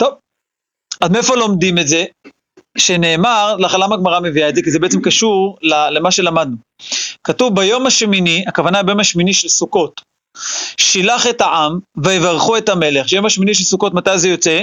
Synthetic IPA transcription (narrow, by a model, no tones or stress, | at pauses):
t̪o̞v | admeefo̞lo̞md̪imetze̞ | ʃe̞ne̞ːmaʁlaχalamaɡmaʁameviaezekizebe̞et͡semkaʃuʁlalemaʃe̞lamad̪̚nu | katuvbajo̞maʃminiakavanabajo̞maʃminiʃelsuko̞t | ʃilaχetaʔamveevaʁχuetame̞le̞χʃejo̞maʃminiʃ̬elsuko̞tmatajzejo̞t͡se̞